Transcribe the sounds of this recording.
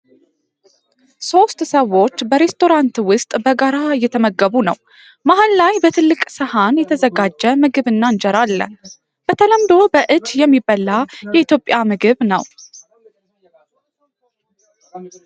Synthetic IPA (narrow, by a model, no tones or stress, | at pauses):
so̞st̪ʼsəwːo̞t͡ʃːbəɾe̞st̪ʰo̞ɾant̪wʊst̪ʼbəɡaɾajɛt̪ʰəməɡəβunəw | maɦənlajbət̪ʰɨlːɨkʼsəhanjɛt̪ʰəzəɡad͡ʒːəmɨɡɨβɨnːand͡ʒɛɾalːə̰ | b̥ət̪ʰələmd̪o̞bəʔɨd͡ʒjɛmːibəlːajɛit̪jo̞pʼjamɨɡɨβnəw